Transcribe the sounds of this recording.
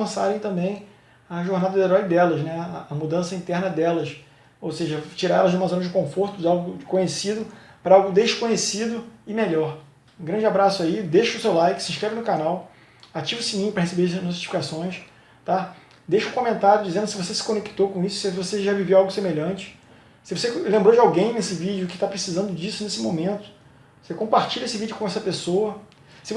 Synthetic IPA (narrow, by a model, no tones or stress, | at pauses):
ɐ̃sa̰ɾẽj̃t̪ɐ̃mbẽj̃ | ɐʒoɾnad̪ɐd̪eɾɔjd̪ɛlɐʃnɛɐʔɐmud̪ɐ̃sɐĩnt̪ɛɾnɐd̪ɛlɐʃ | owseʒɐt͡ʃiɾaɾɛlɐzʒd͡ʒɪumɐzõnɐd͡ʒɪkõfoɾt̪ʊd͡ʒawɡʊkõɲesid̪ʊpɾɐawɡʊd̪eʃkõɲesid̪ʊɪmeʎɔɾ | ũɡɾɐ̃d͡ʒɪabɾasʊaid̪eʃʊsewlajkɪsɪĩʃkɾɛvɪnʊkanaw | at͡ʃivʊsimĩɲpɾɐɦesebeɾɐnɔti̥fikasõj̃ʃ | t̪a | d̪eʃɐũkõmẽnt̪aɾjʊd͡ʒizẽnd̪ʊsɪvosesɪ̥kõneki̥t̪okõisʊ̥svoseʒavivewawɡʊsemeʎɐ̃t͡ʃɪ̥ | sɪvoselẽmbɾowd͡ʒɪawɡẽj̃nesɪvid͡ʒʊkɪ̥t̪apɾesizɐ̃nd̪ʊd͡ʒisʊnesɪmõmẽnt̪ʊ̥ | sekõmpaɾt͡ʃiʎɐesɪvid͡ʒɪʊkõɛsɐpesowɐ | sɪ